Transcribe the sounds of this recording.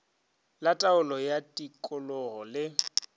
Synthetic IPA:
latʼaʊlɔjatʼikʼʊlɔɣɔlɪ

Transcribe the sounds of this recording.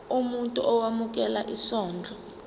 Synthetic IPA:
umuntʼuʔɔwamuk̬ʼɛla̰ʔisɔːnd͡ɮʱɔ

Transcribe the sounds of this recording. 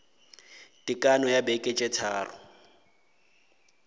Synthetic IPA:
tʼikʼanɔjabekʼet͡ʃʼɛt͡sʰa̰ːrʊ̰

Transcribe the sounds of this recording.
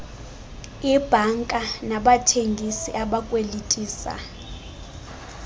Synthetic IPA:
ib̥ʱaŋkʼanaɓatʰeŋɡʱisiʔaɓakʼwelitʼiːsa̰

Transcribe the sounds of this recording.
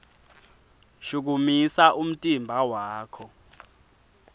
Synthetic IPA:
ʃuk̬umisaʔum̩tʼimbʱawaːkʰɔ

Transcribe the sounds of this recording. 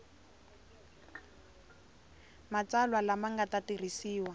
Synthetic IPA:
mat͡salwalamaŋɡatatir̤isiːwa

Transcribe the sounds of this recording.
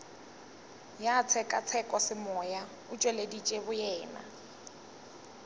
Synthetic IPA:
jat͡sʰɛkʼat͡sʰɛkʼɔsɪmɔja | ʊt͡ʃʼwɛledit͡ʃʼebʊjɛːna̰

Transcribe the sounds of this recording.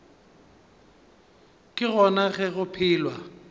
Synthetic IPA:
kʼɪɣɔnaɣɛɣʊpʰɪːlwa

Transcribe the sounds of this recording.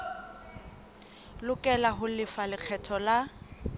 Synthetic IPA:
lʊkʼɛlaɦʊlɪfalɪk͡xʰɛtʰɔla

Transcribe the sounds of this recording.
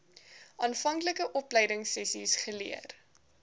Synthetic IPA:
ʔɑːnfɐŋkləkəʔɔplɛjdəŋsɛsisχəliər

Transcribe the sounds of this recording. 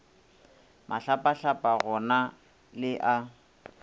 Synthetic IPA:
mʔaɬapʼaɬapʼaɣɔna | lɪʔa

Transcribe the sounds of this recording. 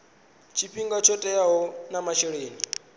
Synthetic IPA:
t͡ʃʰiɸʰiŋɡat͡ʃʰɔtʼɛjaɦɔnamaʃɛɺeːni

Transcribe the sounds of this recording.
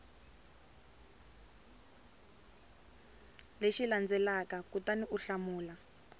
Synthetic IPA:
leʃiland͡zɛlakakutaniʔuɬamuːla

